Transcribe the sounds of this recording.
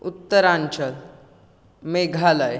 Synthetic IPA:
ut̪ːəɾãɲt͡ɕəl | meɡʱalaj

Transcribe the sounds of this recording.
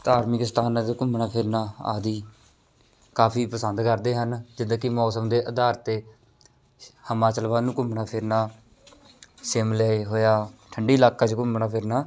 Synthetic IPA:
t̪aːɾmɪkɪst̪aːnaːtkʊmbnaːpʰɪɾnaːa̰ːd̪iː | kaːpʰiːpəsənd̪kəɾd̪eːɦənd͡ʒɪd̪kɪmɔːsəmd̪eːʔəd̪aːɾt̪eː | həmaːt͡ʃəlʋãːnũːkʊmnaːpʰɪɾnaː | sɪmlɛːɦoːjaːʈʰəɳɖiːlaːkːaːt͡ʃkʊmɳaːpʰɪɾnaː

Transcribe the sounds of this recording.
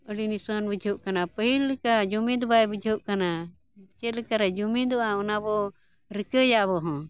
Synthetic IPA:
əɽinisanbəd͡ʒʱəʔkanapəɦilːɛkad͡ʒumĩd̪ɔbaɛbəd͡ʒʱəʔkana | t͡ʃɛt̪lɛkaɾad͡ʒumĩd̪ɔʔaɔnabɔ | ɾikəjaʔbɔɦɔ̃

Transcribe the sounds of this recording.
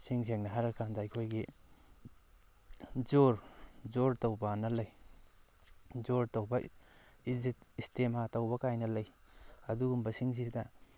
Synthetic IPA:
siŋs̬eŋnɐɦaɾɐkʰːandajkʰojɡi | d͡ʒoɾd͡ʒoɾtowbɐnɐlɐj | zoɾtowbɐizitistematɐwbɐkajnɐlɐjɐduɡumbɐsiŋs̬isdɐ

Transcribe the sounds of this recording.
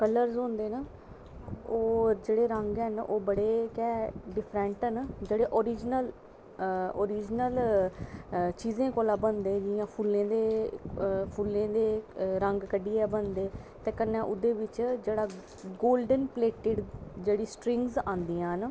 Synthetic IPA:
kələɾzõːnd̪eːnə | oːɾd͡ʒeːɽeːɾəŋɡɛnoːbəɽeːkɛːɖɪpʰɾɛɳʈːnd͡ʒeːɽeːʔoːɾiːd͡ʒnəl | oːɾiːd͡ʒnəl | t͡ʃiːzẽːkoːlaːbənd̪ẽːd͡ʒɪjãːpʰulːẽːd̪eː | pʰuːlːẽːd̪eːɾəŋɡkəɖiːɛːbənd̪eː | t̪ẽːkənːɛ̃ːʔʊd̪eːʋɪt͡ʃd͡ʒeːɽaː | ɡoːlɖənpleːʈɪɖd͡ʒeːɽiːsʈɾɪŋɡzãːnd̪iːãːɦn

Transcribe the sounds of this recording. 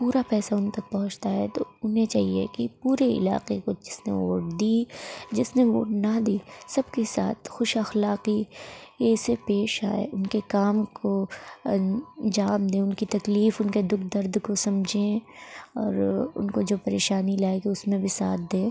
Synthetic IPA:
puːɾapɛːsaʊnt̪ɐk̚pɐɦʊ̃t͡ʃt̪aɦɛt̪oʊnɦẽt͡ʃaːɦiḛkipuːɾeɪ̰la̰ːqekod͡ʒɪsnḛʋo̰ːʈ̚d̪iːd͡ʒɪsneʋo̰ːʈnɐd̪iːsɐbkesa̰ːt̪̚ʰxʊʃɐxlaːqijeɪsepeːʃa̰ːḛʔʊnkekaːmkʰoɐ̃nd͡ʒaːmd̪ẽːʊnkit̪ɐkliːfʊnked̪ʊk̚ʰd̪ɐɾd̪kosɐmd͡ʒʱẽɔːɾʊ̰nkod͡ʒoːpɐɾeːʃaːnilaːekeʊsmẽbʱisa̰ːt̪̚d̪ẽː

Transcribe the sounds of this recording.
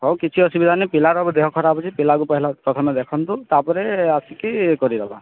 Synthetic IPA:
ɦɔwkit͡ʃʰiɔsubid̪ʱanepilaɾabɔd̪eɦɔkʰɔɾabɔt͡ʃʰipilakupɔɦilapɾɔt̪ʰɔmɛd̪ekʰɔnt̪ut̪apɔɾeasikikɔɾid̪ɔba̰

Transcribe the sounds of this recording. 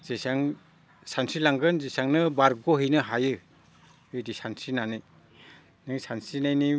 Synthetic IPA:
z̥esaŋ | sansilaŋɡɯnzesaŋnɯbaɾɡoɦɯjnɯɦajɯ | ɯjdisansinanɯj | nɯŋsansinajni

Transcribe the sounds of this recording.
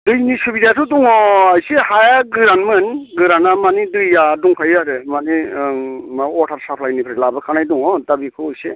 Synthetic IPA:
dɯjnisubidatʰuduŋɔajsehajaɡɯɾanmɯnɡɯɾanamanidɯjːaduŋkʰajaɾemani | maɔtʰaɾsapʰlajnipʰɾlabɯkʰanajduŋɔdabikʰuɯjse

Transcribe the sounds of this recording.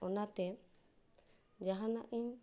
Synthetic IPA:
ɔnat̪ɛ | d͡ʒaɦãnaʔiɲ

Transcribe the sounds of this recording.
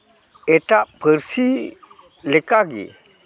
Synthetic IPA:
eʈapʰəɾsi | lekaɡḭ

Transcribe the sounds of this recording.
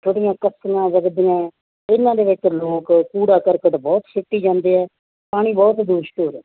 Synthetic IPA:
t̪ʰoːɽijãːkəsəŋãːʋəɡd̪ijãː | ɪnːãːd̪eːʋɪt͡ʃloːkpuːɽaːkəɾkəʈbɔːt̪ʃʰɪʈːiːd͡ʒãːnd̪eːɦɛː | paːɽ̃iːbɔːt̪d̪uʃt̪oːɾɛː

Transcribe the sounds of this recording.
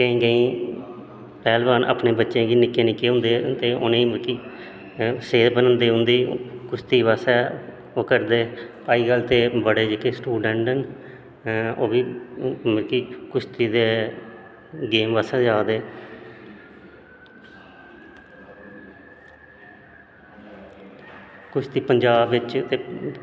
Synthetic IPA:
kə̃ĩːɡəĩː | pɛːlbaːnʔə̰ːpneːbətːʃẽːɡiːnɪkːeːnɪkːeːɦʊ̃nd̪eːt̪eːʔʊ̰nĩːməkiː | seːɾbənə̃nd̪eːɦʊ̃nd̪iːkʊst̪iːʋaːsɛː | oːkəɾd̪eːpaːiːɡəlt̪eːbəɽeːd͡ʒɪkeːsʈuːɖəɳʈən | oːbiːməkiːkʊʃt̪iːd̪eː | ɡeːmʋəsɛːd͡ʒaːd̪eː | kʊt͡ʃʰt̪iːpəɲd͡ʒaːbʋɪt͡ʃt̪eː

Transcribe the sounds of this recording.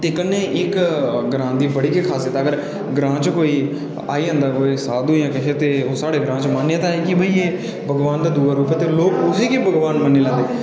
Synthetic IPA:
t̪eːkənːẽːʔɪkɡɾãːnd̪iːbəɽiːkekʰaːset̪ːɡəɾ | ɡɾãːt͡ʃkoːiː | a̰ːiːɦə̃nd̪aːkoːisaːd̪jãːkɛʃʰet̪eːoːsaːɽeːɡɾãːt͡ʃmaːnːjãt̪aːeːkɪbəiːeː | bəɡʋaːnd̪aːd̪uːaːɾuːpɛt̪eːloːkʊsiːkiːbʱəɡʋaːnmənːeːlɛ̃ːd̪eː

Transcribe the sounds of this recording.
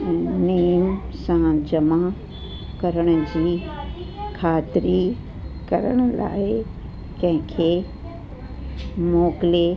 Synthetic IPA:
niːmsãd͡ʑɐma | kɐɾəɽ̃ʊ̆d͡ʑiː | kʰaːt̪ɪɾi | kɐɾəɽ̃ʊ̆la̰ːɪ | kɐ̃ɦɪ̃kʰeː | moːkɪle

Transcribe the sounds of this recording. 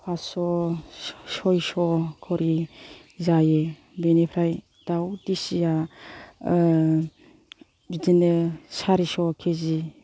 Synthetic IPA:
pʰasɔ | sɔjsɔkʰɔɾi | zaje | benipʰɾaj | d̥awdisija | dinɯsaɾisɔkʰezi

